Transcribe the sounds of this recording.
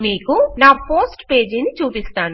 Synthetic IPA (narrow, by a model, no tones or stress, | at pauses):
miːkunaːpoːsʈpe̞ːd͡ʒinit͡ʃuːpist̪aːnu